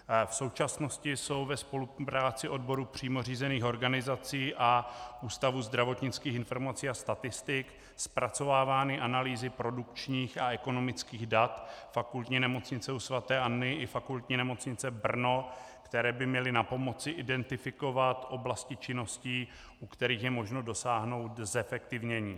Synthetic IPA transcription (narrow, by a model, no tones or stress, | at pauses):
fso̞wt͡ʃasno̞scɪso̞wvɛspo̞lupɾaːt͡sɪʔo̞dbo̞ɾupr̝̥iːmo̞riːzɛniːxo̞ɾɡanɪzat͡siːʔaʔuːst̪avuːzd̪ɾavo̞t̪ɲɪt͡skiːxɪnfo̞ɾmat͡siːast̪at̪ɪst̪ɪk | spɾat͡so̞vaːvaːnɪʔanaliːzɪpɾo̞dukt͡ʃɲiːxaɛko̞no̞mɪt͡skiːɣdat̪fakult̪ɲɪnɛmo̞t͡sɲɪt͡sɛusvat̪ɛːʔanːɪɪfakult̪ɲɪnɛmo̞t͡sɲɪt͡sɛbr̩no̞kt̪ɛɾɛːbɪmɲɛlɪnapo̞mo̞t͡sɪʔɪdɛnt̪ɪfɪko̞vat̪ʔo̞blascɪt͡ʃɪno̞sciː | ʔukt̪ɛɾiːxjɛmo̞ʒnodo̞saːɦno̞wt̪zɛfɛkt̪ɪvɲɛɲiː